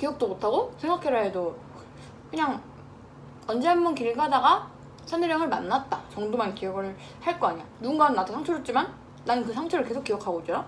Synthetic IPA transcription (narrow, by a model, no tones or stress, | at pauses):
kijʌk̚t͈omotʰaɡosʰe̞ŋɡakʰe̞ɾaɦedo | kɯɲaŋ | ʌnd͡ʑeɦanmunkiɾiɡɦadaɡa | sʰaneɾjʌŋɯɭmanːat̚t͈at͡ɕʌŋdomankijʌɡɯɭ | haɭk͈ʌaɲijanuɯnɡanːadʰosʰaŋt͡ɕʰʌɾot͡ɕ͈imanː | anɯkɯsʰaŋt͡ɕʰʌɾɯɭke̞sʰok͈ːijʌkʰaɡoid͡ʑʌɾa